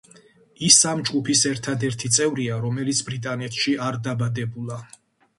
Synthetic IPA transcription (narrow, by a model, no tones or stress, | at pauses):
isamd͡ʒɡupʰisɛɾt̪ʰad̪ɛɾt̪ʰit̪sʼɛvɾiaɾɔmɛlit̪sʰbɾit̪ʼanɛt̪ʰʃiaɾd̪abad̪ɛbulˠa